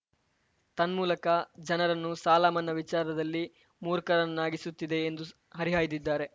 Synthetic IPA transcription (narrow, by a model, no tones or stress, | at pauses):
t̪ɐnmuːlɐkɐd͡ʒɐnɐɾɐnːusaːlaːmɐnːɐʋit͡ʃaːɾɐd̪ɐlːi | muːɾkɐɾɐnnːaːɡisut̪ːid̪e̞ːnd̪u | ɦɐɾiɦaːjd̪id̪ːaːɾe̞